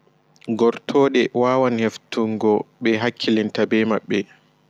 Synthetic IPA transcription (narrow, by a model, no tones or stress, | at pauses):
ɡɔɾtʰɔːɗɛwaːwanheftuŋɡɔɓɛɦakʰːilintabɛmaɓːɛ